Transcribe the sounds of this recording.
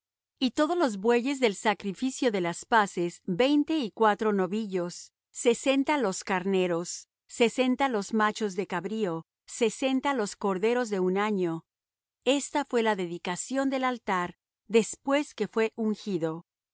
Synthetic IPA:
it̪oðolo̞zbwe̞ʝe̞zðe̞lsakɾifisjo̞ðe̞laspase̞zbe̞jnt̪e̞ikwat̪ɾo̞no̞βiʝo̞sː | e̞se̞nt̪aloskaɾne̞ɾo̞sː | e̞se̞nt̪alo̞zmat͡ʃo̞zðekaβɾio̞ | se̞se̞nt̪alo̞sko̞ɾðe̞ɾo̞zðe̞unaɲo̞ | e̞st̪afwe̞laðe̞ðikasjo̞nd̪e̞lalt̪aɾ | ðe̞spwe̞ske̞fwe̞ʔuŋxiðo̞

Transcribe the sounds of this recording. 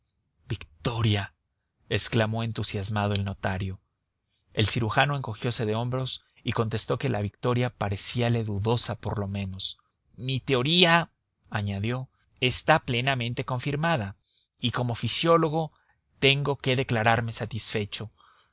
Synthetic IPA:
bikt̪o̞ɾja | esklamo̞e̞nt̪usjazmað̞o̞e̞lno̞t̪aɾjo̞ | e̞lsiɾuxano̞e̞ŋko̞xjo̞se̞ðe̞o̞mbɾo̞s | iko̞nt̪e̞st̪o̞ke̞laβikt̪o̞ɾjapaɾe̞siale̞ðuðo̞sapo̞ɾlo̞mẽ̞no̞s | mit̪e̞o̞ɾia | aɲaðjo̞ | est̪aple̞namẽ̞nt̪e̞ko̞ɱfiɾmaða | iko̞mo̞fisjo̞lo̞ɣo̞ | t̪e̞ŋɡo̞ke̞ðe̞klaɾaɾme̞sat̪isfe̞t͡ʃo̞

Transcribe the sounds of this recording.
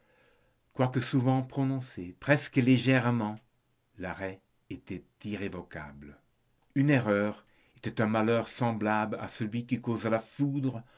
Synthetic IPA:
kwakəsuvɑ̃pχɔnɔ̃sepχɛskəleʒɛʁmɑ̃ | laʁɛ | et̪ɛt̪iʁevɔka̰blə | yneʁœːʁ | et̪ɛt̪ɛ̃malœʁsɑ̃blabla̰səlɥikikozalafud̪ʁə

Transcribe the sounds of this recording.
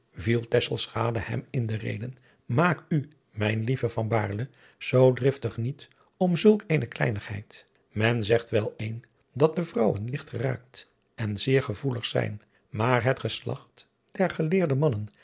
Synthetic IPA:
vilˠtɛsəlˠsχaːdəhɛ̰mɪndərḛjdən | maːky | mɛjnlivəvɑnba̰ːɹlə | z̥owdrɪftəχnit | ɔmzɵlˠkejnəklɛ̰jnəχɦɛ̰jt | mɛnzɛχtʋɛlˠejn | dɑt̚dəvrɑwənlɪχtχəra̰ːk̚t | ɛnzɪːɹχəvuləχsɛ̰jn | maːɹɦətχəslɑ̰χt | d̥ɛɹχəlɪːɹdəmɑnən

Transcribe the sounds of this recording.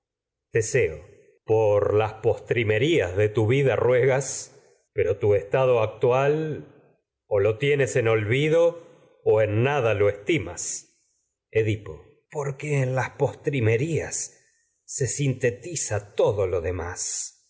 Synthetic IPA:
d̪̥eseo̰ | poɾlaspo̞st̪ɾime̞ɾiazðet̪uβiðarweɣas | pe̞ɾo̞t̪uest̪aðoak̚t̪wal | olot̪jeneseno̞lβiðo̞ː | enːaðalo̞est̪ima̰s | eðipo̰ | poɾkeːnlaspo̞st̪ɾimeɾiasː | e̞sint̪e̞t̪isat̪o̞ðolo̞ðemas

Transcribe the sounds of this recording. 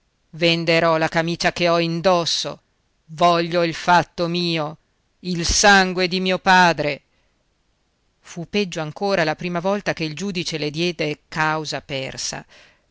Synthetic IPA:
vend̪eɾɔlakamiːt͡ʃakeɔind̪ɔsːo̰ | vɔʎːoilfat̪ːomiːo | ilsaŋɡwed̪imiːopaːd̪ɾe | fuped͡ʒːoaŋkoːɾalapɾiːmavɔlt̪akeild͡ʒuːd̪it͡ʃeled̪jɛːd̪ekawzapɛ̰rsa̰

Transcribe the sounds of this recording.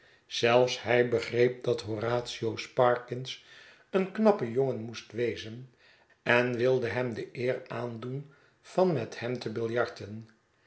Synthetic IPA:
z̥ɛlˠfshɛjbəχrejp̚dɑtɦoraːtsiowspɑɹkɪns | ənknɑpəjoŋənmustʋejzən | ɛnʋɪlˠdəɦɛmdəʔɪːraːndun | v̥ɑnmɛthɛmtəbɪlˠjɑɹtən

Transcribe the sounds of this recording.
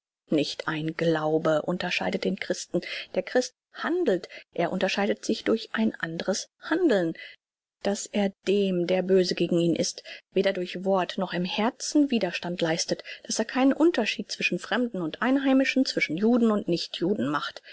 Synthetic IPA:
nɪçtʰʔaɪnɡlaʊbəʔʊntɐʃa̰ɪdət̚d̥eːnkʁ̥ɪstn̩d̥eːɐkʁ̥ɪst | handl̩tʔeːɐʔʊntɐʃaɪdətz̥ɪçd̥ʊɐçʔaɪnʔandəʁəshandl̩n | d̥asʔeːɐd̥eːmdeːɐbøːzəɡeːɡŋ̩iːnʔɪstv̥eːdɐdʊɐçv̥ɔɐtnɔχɪmhɛɐt͡sn̩viːdɐʃtantlaɪstətd̥aseːɐkʰaɪnənʔʊntɐʃiːt̚t͡sv̥ɪʃn̩fʁ̥ɛmdn̩ʊntʔaɪnɦaɪmɪʃn̩t͡sv̥ɪʃn̩juːdn̩ʊntnɪçtʰjuːdn̩maχt

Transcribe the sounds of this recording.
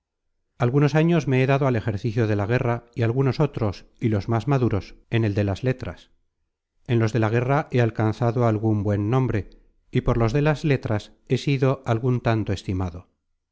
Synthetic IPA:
alɣuno̞saɲo̞zme̞eðaðo̞ale̞xe̞ɾθiθjoðe̞laɣ̞e̞raialɣuno̞so̞t̪ɾo̞silo̞zmazmaðuɾo̞se̞ne̞ld̪e̞lazle̞t̪ɾa̰s | e̞nlo̞zðe̞laɣ̞e̞raʔe̞alkanθaðo̞alɣumbwe̞nːõ̞mbɾe̞ | ipo̞ɾlo̞zðe̞lazle̞t̪ɾas | e̞siðo̞ʔalɣunt̪ant̪o̞e̞st̪imaðo̞

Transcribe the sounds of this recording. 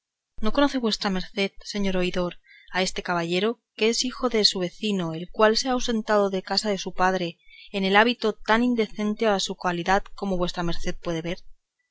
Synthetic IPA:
no̞ko̞no̞θe̞βwe̞st̪ɾame̞ɾθe̞ðse̞ɲo̞ɾo̞iðo̞ɾ | ae̞st̪e̞kaβaʝe̞ɾo̞keesixo̞ðe̞suβ̞e̞θino̞e̞lkwalseawse̞nt̪að̞o̞ðe̞kasaðe̞supaðɾe̞ːne̞laβit̪o̞t̪anind̪e̞θe̞nt̪eaɾasukaliðaðko̞mo̞βwe̞st̪ɾame̞ɾθe̞ð̚pwe̞ðe̞βe̞ɾ

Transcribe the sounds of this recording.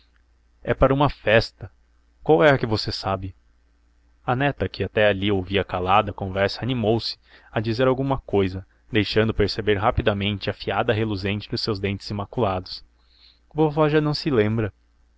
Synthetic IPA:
ɛpaɾɐũmɐfɛst̪ɐ | kwawɛɐkɪvosesabɪ | ɐnɛt̪ɐkɪat̪ɛaliowviɐkalad̪ɐkõvɛɾsɐːnimowsɪ̥ | ɐd͡ʒizeɾawɡũmɐkojzɐ | d̪ejʃɐ̃nd̪ʊpeɾsebeɾɦapid̪ɐmẽnt͡ʃɪɐfiad̪ɐɦeluzẽnt͡ʃɪd̪ʊsewzd̪ẽnt͡ʃɪ̥z̥imakulad̪ʊs | bofɔʒɐnɐ̃w̃sɪlẽmbɾɐ

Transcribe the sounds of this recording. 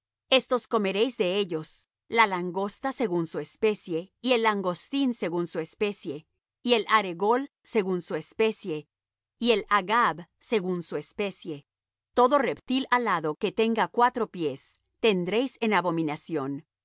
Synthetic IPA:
e̞st̪o̞sko̞me̞ɾe̞jzd̪e̞e̞ʝo̞s | lalaŋɡo̞st̪ase̞ɣunsuespe̞sje̞ie̞laŋɡo̞st̪inse̞ɣunsue̞spe̞sje̞ | ie̞lʔaɾe̞ɣo̞l | se̞ɣunsue̞spe̞sje̞ | ie̞laɣaβse̞ɣunsue̞spe̞sje̞ | t̪o̞ðo̞re̞pt̪ilalaðo̞ke̞t̪e̞ŋɡakwat̪ɾo̞pje̞s | t̪e̞nd̪ɾe̞jse̞naβo̞mĩnasjo̞n

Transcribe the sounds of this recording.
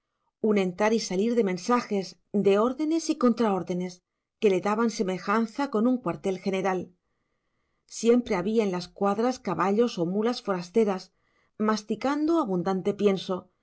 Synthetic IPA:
unẽ̞nt̪aɾisaliɾðe̞mẽ̞nsaxe̞z | d̪e̞o̞ɾðe̞ne̞siko̞nt̪ɾao̞ɾðe̞ne̞s | ke̞le̞ðaβanse̞me̞xanθako̞nuŋkwaɾt̪e̞lxe̞ne̞ɾal | sje̞mpɾe̞aβiaenlaskwaðɾaskaβaʎo̞so̞mulasfo̞ɾast̪e̞ɾas | mast̪ikand̪oaβund̪ant̪e̞pje̞nso̞

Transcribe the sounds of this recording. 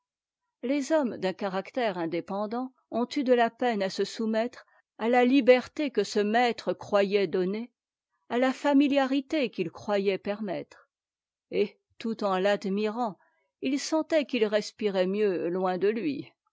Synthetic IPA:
lezɔmd̪ɛ̃kaʁakt̪ɛʁɛ̃d̪epɑ̃d̪ɑ̃ | ɔ̃t̪yd̪əlapɛnasəsumɛt̪χ | alalibɛʁt̪ekəsəmɛt̪χəkχwajɛd̪ɔne | alafamiljaʁit̪ekilkχwajɛpɛʁmɛt̪χ | e | t̪ut̪ɑ̃lad̪miʁɑ̃ | ilsɑ̃t̪ɛkilʁɛspiʁɛmjølwɛ̃d̪əlɥi

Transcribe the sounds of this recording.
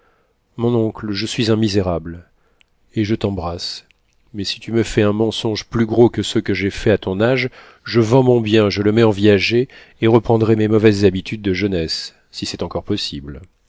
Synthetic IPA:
mɔ̃nɔ̃kləʒəsɥizɛ̃mizeʁabl | eʒət̪ɑ̃bʁas | mɛsi̥t̪yməfɛɛ̃mɑ̃sɔ̃ʒplyɡʁokəsəkəʒefɛat̪ɔ̃naʒ | ʒəvɑ̃mɔ̃bjɛ̃ʒələmɛɑ̃vizaʒeː | ʁəpχɑ̃d̪ʁɛmemɔvɛzːabit̪ʰyd̪̚ːəʒənɛsː | isɛt̪ɑ̃kɔʁpɔsibl

